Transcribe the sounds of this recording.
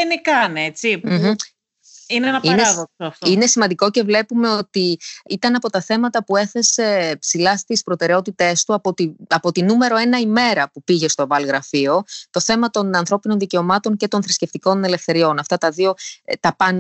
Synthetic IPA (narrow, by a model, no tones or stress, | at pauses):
nikɐnet͡sim | ineenɐineðoksoɐft̪ine̞simɐnd̪iko̞ce̞vle̞pume̞o̞t̪iit̪ɐnɐpo̞t̪ɐθe̞mɐt̪ɐpue̞θe̞se̞psilɐst̪ispɾo̞t̪e̞ɾeo̞t̪it̪e̞st̪uɐpot̪iɐpo̞t̪inume̞ɾo̞e̞nɐime̞ɾɐpupiʝe̞st̪ovɐlɣɾɐfio̞t̪o̞θe̞mɐt̪o̞nɐnθɾo̞pino̞nðice̞o̞mɐt̪o̞ɲce̞t̪o̞nθɾisce̞ft̪iko̞ne̞le̞fθe̞ɾio̞nɐft̪ɐt̪ɐðio̞t̪ɐpɐn